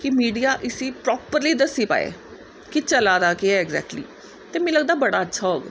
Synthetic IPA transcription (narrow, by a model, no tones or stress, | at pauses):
kɪmiːɖijaːʔɪsiːpɾɔːpəɾliːd̪əsːiːpa̰ːḛː | kɪt͡ʃəlaːd̪aːkɪɛɛɡzɛ̰ːk̚ʈlḭː | t̪eːmɛ̃ːləɡd̪aːbəɽaːətːʃʰaːɦoːɡ